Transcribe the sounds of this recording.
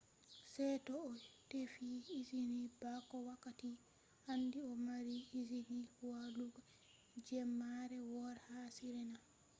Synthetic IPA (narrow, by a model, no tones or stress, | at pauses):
sɛtɔːtefiːzinibakɔwakːati | handiɔmaɾiizinihwaluɡa | d͡ʒɛmːaɾɛwɔɾhasiɾɛna